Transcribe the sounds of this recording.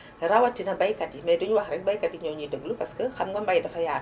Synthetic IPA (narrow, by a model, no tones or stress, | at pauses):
ɾɐwɐtːinɐbɐjkɐtːimɛduɲwɐxɾɛŋ̚bɐjkɐtiɲɔɲidəɡlupɐskəxɐmɡɔmbɐjdɐfɐjaː